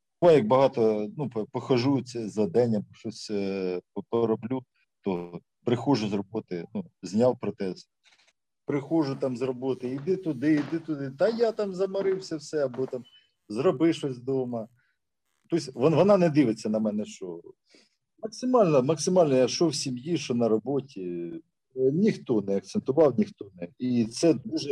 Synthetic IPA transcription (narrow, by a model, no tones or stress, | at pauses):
ɔjɐk̚bɐɦɑt̪ɔnuppɔxɐʒujʊt͡sʲɐzɐd̪ɛnʲːɐɔʃɔsʲpɔpɔɾɔblʲu | t̪ɔ | pɾɪxɔʒʊzrɔbɔt̪ɪnuzʲnʲɑlˠpɾɔt̪ɛs | pɾɪxɔʒʊt̪ɑmzrɔbɔt̪ɪid̪ɪt̪ʊd̪ɪid̪ɪt̪ʊd̪ɪt̪ɐjɑt̪ɑmzɐmɐɾɪwsʲɐwsɛɐbɔt̪ɑm | zrɔbɪʃɔsʲd̪ɔmɐ | t̪ɔsʲʋɔʋɔnɑnɛd̪ɪʋɪt͡sʲːɐnɐmɛnɛʃɔ | mɐksɪmɑlʲnɔmɐksɪmɑlʲnɔjaʃɔwsʲimjiʃɔnɐɾɔbɔtʲi | nʲixt̪ɔnɛɐk̚t̪sent̪ʊʋɑwnʲixt̪ɔnɛit̪sɛd̪uʒɛ